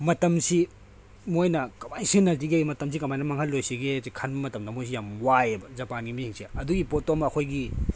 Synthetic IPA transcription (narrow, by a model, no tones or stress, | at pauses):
mɐtɐmsi | mojnɐkɐmajsinːɐlt̬iɡemɐtɐms̬ikɐmajnɐmɐŋhɐlːojsiɡezikʰanbɐmɐtɐmdɐmojs̬ijamwajebɐzɐpanɡimihiŋsiɐduɡipotomɐɐkʰojɡi